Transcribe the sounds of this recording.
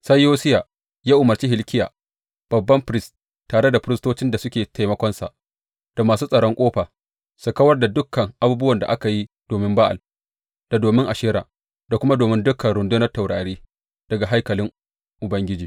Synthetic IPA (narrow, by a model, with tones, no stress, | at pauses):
sɐ˦jːoː˦sɪ˦jaː˨ | jaː˦ʔʊ˨mɐ˨rt͡ʃiː˦ɦɪ˨lkʲɪ˦ja̰ː˨ | b̥ɐ˨bːɐ˦mɸɾɪ˦s | tːaː˨ɽe˦da˨ɸɪ˦ɾɪ˦stoː˦t͡ʃɪ˦nda˨sʊ˦kʲeː˨ta˨jmɐ˦kʷɔ˦nsa̰˨ʔ | d̥a˨maː˨s̬uː˦sʼɐ˨ɽɔ˦ŋkʷʼoː˦ɸaː˨ | sʊ˨kɐ˦wɐ˦rda˨dʊ˦kːɐ˨ŋʔa˨buː˦bʊ˦wɐ˨nda̰˨ʔa˦ka˨ji˦ | d̥oː˨mɪ˦mbaː˦ʔa̰˨l | d̥a˨doː˨mɪ˦ŋʔa˨ʃɪː˦ɾa̰ː˨ | da˨kʷʊ˦ma˦doː˨mɪ˦ndʊ˦kʰɐ˨nɽʊ˨ndʊ˦nɐ˦tːa˨wɽaː˨ɽiː˦ | d̥ɐ˨ɡa˨ɦa˦jkɐ˨lɪ˦ŋ | ʔʊ˨bɐ˦ŋɡʲɪ˦d͡ʒiː˨